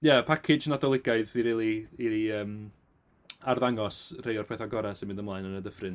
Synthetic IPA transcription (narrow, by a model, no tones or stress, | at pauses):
japʰakʰɪd͡ʒnadɔlˠɪɡaɨðiɾiːlˠiiəːm | arðaŋɔsr̥ejɔrpʰɛθaɡɔɾasɪmɪndəmlˠaːjnənədəfrɪn